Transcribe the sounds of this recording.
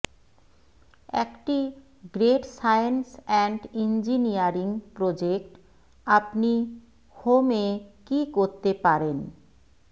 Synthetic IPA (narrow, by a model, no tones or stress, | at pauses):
ɛ̰kʈi | ɡɾeʈsajensɛɳɖind͡ʑiniaɾiŋpɾod͡ʑek̚ʈ | apni | homekikoɾt̪epaɾen